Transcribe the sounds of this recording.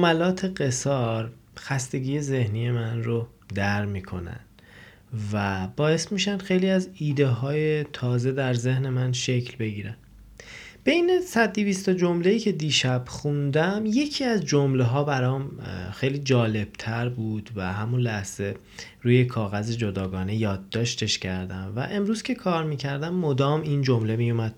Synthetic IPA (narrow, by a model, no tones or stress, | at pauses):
mælɒːt̪ʰe̞ɢe̞sɒɾ | xæst̪e̞ɟiːje̞ze̞hniːje̞mænro | d̪æɾmiːkʰo̞̰næ̰nd̥̪ | væb̥ɒːje̞smiːʃænd̪xe̞jliːæziːd̪e̞ɦɒːjet̪ʰɒːze̞d̪æɾze̞hne̞mænʃe̞cʰlbe̞ɟiːɾæn̥ | b̥e̞jnesæd̪̚ːivist̪od͡ʒo̞mle̞jiːcʰe̞d̪iːʃæb̥xund̪æmje̞cʰiːæzd͡ʒomleɦɒːbæɾɒːmxejliːd͡ʒɒːle̞b̥̚t̪ʰæɾbuːd̪̥væhæmunlæhz̥e̞ | ɾuːje̞kʰɒːɣæzed͡ʒo̞d̪ɒːɡɒːne̞jɒːd̪ːɒːʃt̪ʰe̞ʃcʰæɾd̪æmvæ̰ʔe̞mɾuːzcʲʰe̞kʰɒːɾmiːcʰæɾd̪æmːod̪ɒːmiːnd͡ʒomle̞mijumæd̪̥